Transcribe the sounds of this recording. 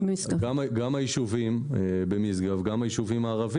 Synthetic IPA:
bmisɡaɡamɡamajiʃuvimbemisɡavɡamajiʃuvimaːʁav

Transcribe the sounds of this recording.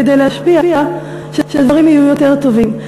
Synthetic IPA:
ed̪ejleɦaʃpiaia | ʃeʃed̪vaʁimhajujo̞te̞ʁt̪o̞vim

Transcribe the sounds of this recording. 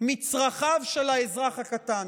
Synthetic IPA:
mit͡sʁaχavʃelaezʁaχakat̪an

